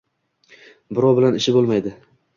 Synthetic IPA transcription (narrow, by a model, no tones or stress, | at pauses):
bɪɾɒwbɪlanɪʃɪbolˠmajd̪ɪ